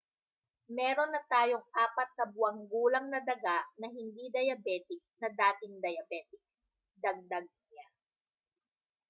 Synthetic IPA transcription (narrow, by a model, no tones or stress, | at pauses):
mɛːɾo̞nːɐt̪aːjoŋʔaːpɐt̪̚kɐbʊɐŋɡuːlɐŋnɐd̪ɐɡaʔnɐɦɪnd̪id̪ɐjɐbɛːt̪ɪk̚nɐd̪aːt̪ɪŋd̪ɐjɐbɛːt̪ɪk̚ | d̪ɐɡ̚d̪ɐɡ̚ | a